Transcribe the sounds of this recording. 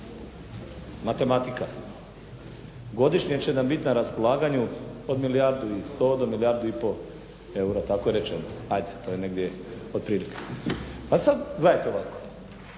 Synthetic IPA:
mat̪e̞mat̪ika | ɡo̞d̪iʃɲiet͡ɕenambit̪inaɾaspo̞lˠaːɡaɲuod̪milijaɾd̪uist̪o̞ːd̪omilijaːɾd̪uipo̞ | e̞uɾat̪ako̞jeɾet͡ʃenoajd̪et̪oːjene̞ɡd̪jeod̪̚pɾiːlike̥pasad̪ɡlejet̪eoʋako̥

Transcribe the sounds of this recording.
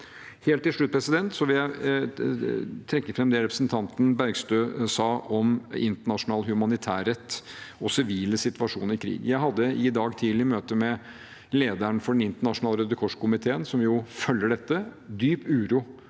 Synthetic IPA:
heːlt̪ːɪlʂɭʉt̪̚pʰɾɛsɪd̪ɛnt̪sɔʋɪljæɪ | t̪ʰɾɛkːəfɾɛmd̪ɛɾɛpɾəsnt̪ʰɑnt̪n̩bæɾɡst̪øːsɑːʔɔmɪ̰nt̪əɳɑʂʊnɑːlhʉmɑnɪt̪ʰæːɾɛt̪ːɔsɪʋiːləsɪt̪ʋɑʂuːnəɾɪkʰɾḭːɡjæɪɦɑd̪ːəɪd̪ɑːɡt̪ʰiːlɪmøːt̪əmɛ | leːd̪æɳfɔɖɛnɪnt̪əɳɑʂʊnɑːlɾød̪ːəkʰɔʂkʊmɪt̪ʰeːənsɔmjʊfœlːəɖɛt̪ːəd̪yːpʉːɾuː

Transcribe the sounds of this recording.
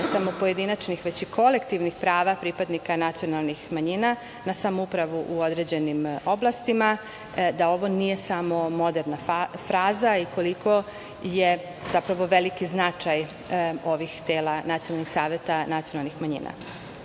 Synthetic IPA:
samo̞po̞je̞d̪inat͡ʃnixʋet͡ɕikʰo̞lekt̪iʋnixpɾaːʋapɾipad̪nikanat̪sijo̞nalˠnixmaɲina | nasamoupɾaʋuʔuo̞d̪ɾed͡ʑe̞nimo̞blˠast̪ima | d̪ao̞ʋo̞nije̞samo̞mo̞d̪eɾnafɾaːzaiko̞likʰo̞ | je | z̥apɾaʋo̞ʋe̞likiznat͡ʃajo̞ʋixt̪eːlanat̪sijonalnixsaːʋjet̪anat̪sio̞nalˠnixmaɲḭːna̰

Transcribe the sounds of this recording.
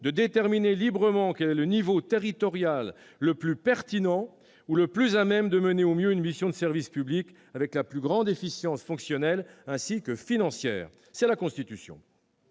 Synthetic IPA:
d̪əd̪et̪ɛʁminelibʁəmɑ̃kɛlɛlənivot̪eʁit̪ɔʁjalː | əplypɛʁt̪inɑ̃ | uləplyzamɛmd̪əməneomjøynmisjɔ̃d̪əsɛʁvispyblik | avɛklaplyɡʁɑ̃d̪efisjɑ̃sfɔ̃ksjɔnɛlɛ̃sikəfinɑ̃sjɛ̰ːʁ | sɛlakɔ̃st̪it̪ysjɔ̰̃

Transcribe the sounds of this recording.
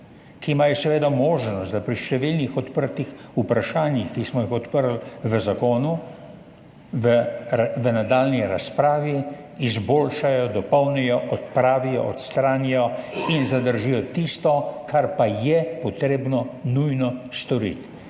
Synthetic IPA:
kiːmaːjɔsɛʋeːd̪amoːʒnɔst̪d̪apɾiʃt̪ɛʋilnixɔt̪pəɾt̪ixupɾaʃaːnjixkismɔjixɔt̪pəɾlʋəzakoːnu | ʋəʋənad̪aːlniɾaspɾaːʋiː | zboːlʃajɔd̪ɔpɔwnɛjɔʔɔt̪pɾaːʋijɔ̰ʔɔt̪st̪ɾanjɔinzad̪əɾʒijɔt̪ist̪ɔkʰaɾpajɛpɔt̪ɾeːbnɔnujnɔst̪ɔɾḭt̪

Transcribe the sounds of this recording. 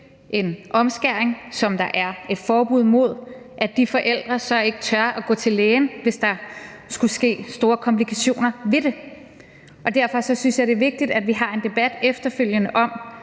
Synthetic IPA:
ʔe̝nʔɒ̽msɡ̥æɐ̰eŋsɒ̽md̥ɑ̈ʔæɐe̝d̥fɒːb̥uð̰ˠmo̝ð̞̰ˠ | ʔæ̥d̥ifɒ̽ʔel̰d̥ʁɐsɒ̽e̝ɡ̥ə̥t͡sʰɶɐʔæɡ̥ɔ̰̽ːt͡sʰe̝lːeːn̩ʋe̝sd̥ɑ̈sɡ̥usɡ̥e̝̰ːsd̥o̝ːɐkʰɒ̽mpʰlikʰæɕo̝̰ːnɐʋe̝ɾe̝ | ʔɒ̽d̥æɐ̰fɒ̽sɒ̽synsjɑ̈ɪde̝ʋe̝ɡ̥̚d̥id̥æd̥ʋiɦɑ̈e̝nd̥e̝b̥æd̥efd̥ɐføl̰jənəʔɒ̽m

